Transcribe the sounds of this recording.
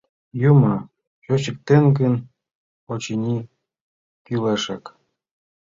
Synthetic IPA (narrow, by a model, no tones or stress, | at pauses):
jumɑ | ɕot͡ɕə̆k̚t̪enɡə̆n | ot͡ɕinʲi | kyleʃɑk